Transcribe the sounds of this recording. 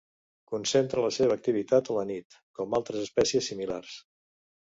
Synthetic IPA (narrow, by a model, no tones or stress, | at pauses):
kunsent̪ɾələseβ̞əːk̚t̪iβ̞it̪at̪ələnit̪ | kɔmalˠt̪ɾəzəspɛsiəsːimilars